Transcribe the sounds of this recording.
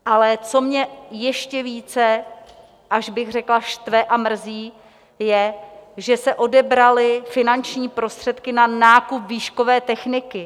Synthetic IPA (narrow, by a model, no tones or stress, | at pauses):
ʔalɛt͡so̞mɲɛjɛʃcɛviːt͡sɛ | ʔaʒbɪɣr̝ɛklaʃt̪vɛʔamr̩ziː | jɛʒɛsɛʔo̞dɛbɾalɪfɪnant͡ʃɲiːpɾo̞st̪r̥ɛt̪kɪnanaːkupviːʃko̞vɛːt̪ɛxnɪkɪ